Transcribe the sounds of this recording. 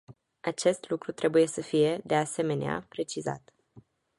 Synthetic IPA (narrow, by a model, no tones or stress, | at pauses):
at͡ʃe̞st̪lukɾut̪ɾʔe̞buje̞səfije̞d̪e̞ase̞me̞nea̰pɾe̞t͡ʃiza̰t̪